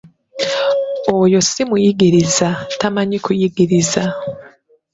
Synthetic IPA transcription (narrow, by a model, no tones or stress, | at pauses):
ojo̞simujiɡiɾizatamaɲikujiɡiɾiza